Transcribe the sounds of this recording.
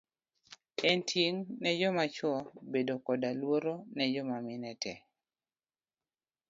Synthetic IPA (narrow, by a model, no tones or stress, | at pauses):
ɛntʰjeŋnɛd͡ʒɔmat͡ʃɔbedokɔdalwoɾonɛd͡ʒɔmamɪnɛtʰɛ